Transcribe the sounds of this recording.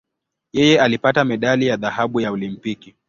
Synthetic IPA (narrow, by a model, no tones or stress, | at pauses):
jɛjɛalipatamɛɗalijaðahaɓujaɔlimpiki